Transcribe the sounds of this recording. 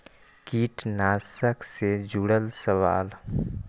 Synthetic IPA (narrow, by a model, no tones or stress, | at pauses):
kiːʈnaːsəksed͡ʒuːɽəlsəʋa̰ːl